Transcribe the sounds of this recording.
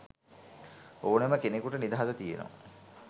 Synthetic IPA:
oːneməkenekuʈənid̪aɦat̪ət̪ijeno̰

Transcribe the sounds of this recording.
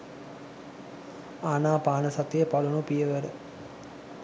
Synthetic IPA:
aːnaːpaːnəsat̪ijəpalunupijəʋəɾə

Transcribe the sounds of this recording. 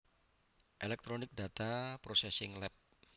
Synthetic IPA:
ʔelɛk̚t̪ɾonɪk̚da̤t̪apɾosɛsɪŋlɛp̚

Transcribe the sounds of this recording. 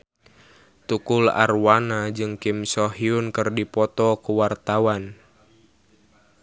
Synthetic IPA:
t̪ukʊla̰rwanad͡ʒɨŋkimsɔɦiʊnkɨrdipɔt̪ɔkuwart̪awan

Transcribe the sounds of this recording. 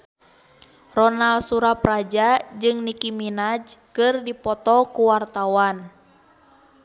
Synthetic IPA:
rɔnalsuɾaprad͡ʒad͡ʒɨŋnikiminad͡ʒkɨrdipɔt̪ɔkuwart̪awan

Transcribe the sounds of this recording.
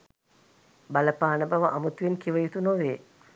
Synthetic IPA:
baləpaːnəbaʋəʔamut̪ʋenkiʋəjut̪unoʋeː

